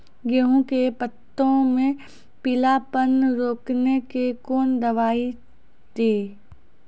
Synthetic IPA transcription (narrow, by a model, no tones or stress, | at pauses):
ɡeɦõkepət̪ːõmẽ | pɪlapənɾoːknekekoːnd̪ɐʋaːi | d̪eː